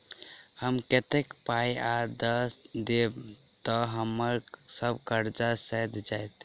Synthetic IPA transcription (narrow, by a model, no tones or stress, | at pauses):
həmket̪ekpajad̪əsd̪e | t̪əɦəməɾsəbʱkəɾd͡ʒasəjd̪d͡ʒajt̪